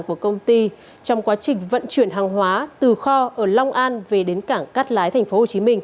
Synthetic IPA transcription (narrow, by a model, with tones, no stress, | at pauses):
nku˧˩əkə˧wŋ͡mt̪i˧ | t͡ɕɔ˧wŋ͡mkwaː˨˦t͡ɕï˨˩ŋ̟və̰˧˨nt͡ɕwi˧˩ənɦaː˨˩ŋɦwaː˨˦t̪ɨ˨˩xɔ˧ʔəː˧˩la˧wŋ͡mʔaː˧nve˨˩ɗe˨˦nkaː˧˩ŋka˦˥t̚laː˨˦jt̪ʰɛ˨˩ŋ̟fo˨˦ho˨˩t͡ɕi˨˦mï˧ŋ̟